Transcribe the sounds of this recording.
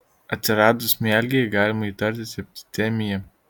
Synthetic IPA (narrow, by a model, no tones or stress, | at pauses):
ɐt̪ʲsʲɪɾɑːd̪ʊsmʲæːlʲɡʲeɛɡɑːlʲɪmɐit̪ɐɾʲt̪ʲɪsʲɐp̚ʲt̪ʲɪ̥t̪ʲɛmʲɪjɛ